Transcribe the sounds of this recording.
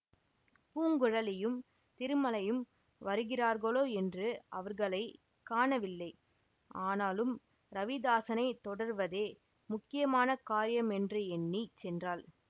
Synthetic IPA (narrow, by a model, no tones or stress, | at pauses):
puːŋɡɯɻɐlɪjɯm | t̪ɪɾɯmɐlɐjɯm | ʋɐɾɯɣɪraːɾɣɐɭoːɛndrɯɐʋɐɾɣɐɭɐɪ | kaːɳɐʋɪlːɐɪ | aːnaːlɯm | ɾɐʋɪd̪aːsɐnɐɪt̪ːɔɽɐɾʋɐðeː | mʊkːɪjɐmaːnɐkaːɾɪjɐmɛndrɯɛnːit͡ʃɛndraːl